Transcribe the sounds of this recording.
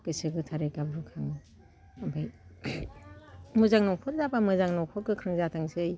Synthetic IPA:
kɯsɯɡɯtʰaɾekabɾukʰaŋɯ | abaj | mɯzaŋnɔŋpʰɔt̚zabamɯzaŋnɔŋpʰɔt̚kɯkʰɾɯŋzatʰaŋsɯɯj

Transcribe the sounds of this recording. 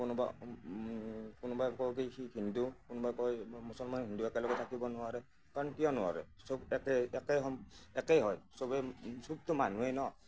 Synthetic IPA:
kʊnʊba̰ | kʊnʊbajkɔk̬ijhiɦindukʊnʊbajkɔjmusɔlmanɦinduɛkɛlɔɡɔtʰakibɔnʊwaɹɛ | kaɹɔnkijɔnʊwa̰ɹɛ̰ | sobɛkɛɛkɛjɦɔɛkɛjɦɔjsobɛsub̚tʊmanuejnɔ

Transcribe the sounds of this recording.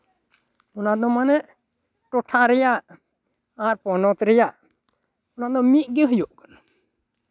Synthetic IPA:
ɔnad̪ɔmanɛʔ | ʈɔʈʰaɾɛjaʔ | aɾpɔnɔt̪ɾɛjaʔ | ɔnaʔd̪ɔ̃mit̪̚ˀɡeɦujɔʔkɔn

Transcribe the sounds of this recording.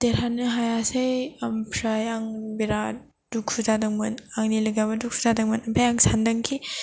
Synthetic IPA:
teɾanɯɦajasejɐmpʰɾajaŋbiɾa | dukʰuzadɐŋmɯnaŋnilɐɡabɐdukʰuzadɐŋmɐnɐpʰajaŋsandɐŋkʰi

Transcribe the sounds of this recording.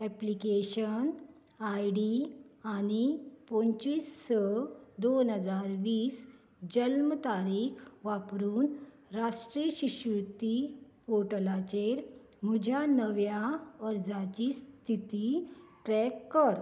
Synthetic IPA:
ɛplikeɕən | ajɖianipõnt͡ɕiːsːəd̪onɦəd͡zaɾʋiːs | d͡ʑəlmət̪aɾiːkʰʋapɾuːn | ɾaʂʈɾiɕiɕuɾt̪i | poɾʈəlat͡ɕeɾ | m̤ud͡ʑʱjanəʋjaəɾd͡zat͡ɕist̪ʰit̪iʈɾɛkːəɾ

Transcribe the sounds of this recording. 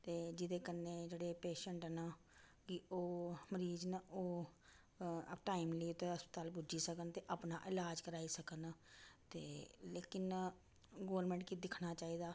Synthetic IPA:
t̪eːd͡ʒɪd̪eːkənːeːd͡ʒeːɽeːpeːʃəɳʈːnaː | kioːməɾiːd͡ʒnoː | ʈaːimliːʊt̪ːeːɦəspət̪aːlpud͡ʒiːsəkənt̪eːʔəpnaːʔɪlaːd͡ʒkəɾaːiːsəkənt̪eːleːkɪn | ɡoːɾmɛ̃ːɳʈkid̪ɪkʰnaːt͡ʃaːiːd̪aː

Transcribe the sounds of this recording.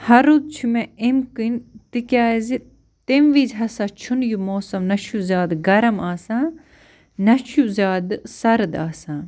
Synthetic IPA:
hɐɾud̪̚t͡ʃʰumẽemkint̪ikʲaːzi | t̪emʋiːzɦɐsaːt͡ʃʰunjumoːsɐmnɐʃʰjuzʲaːd̪ɡɐɾɐmaːsãː | nɐʃʰjuzʲaːd̪sɐɾd̪aːsãː

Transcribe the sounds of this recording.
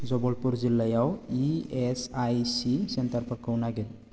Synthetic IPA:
d͡zɔbɔlpuɾd͡zilːajawiesajsisent̪əɾpəɾkəwnaɡel

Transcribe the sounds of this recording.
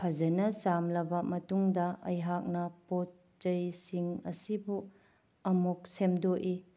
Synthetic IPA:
pʰɐd͡ʒɐnɐsamlɐbɐmɐtuŋdɐɐjɦak̚nɐpot | t͡ʃɐjsiŋɐ̰sibu | ɐmuk̚semdoʔi

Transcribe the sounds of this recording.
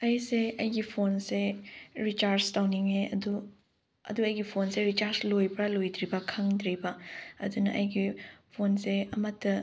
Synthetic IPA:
ɐjseɐjɡipʰonseɾit͡ʃaɾd͡ʒtawniŋeɐ̰du | ɐ̰duɐjɡipʰonseɾit͡ʃaɾslojpɾɐlojd̪ɾibɐkʰɐŋdɾibɐɐ̰dunɐʔɐjɡipʰonseɐmɐtʰːɐ

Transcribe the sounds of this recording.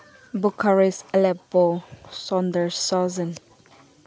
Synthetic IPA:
bukʰaɹisɛlɛposɔ̃ndəɹsɔzə̃n

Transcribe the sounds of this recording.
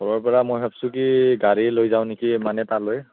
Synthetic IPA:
ɡɔɹɔɹpɔɹamojɦʰapsʊkiɡaɹilojzaʊ̃nekimanɛtaloj

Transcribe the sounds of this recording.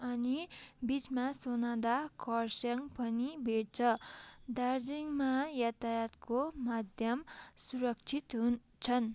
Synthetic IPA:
ʌnibit͡smasonad̪akʰʌrsjʌŋpʌnibʱeɽ̚t͡sʰʌd̪ard͡ziŋmajat̪ʰajat̪komad̪ʱjʌmsuɾʌk̚t͡sʰit̪ɦun | t͡sʰʌn

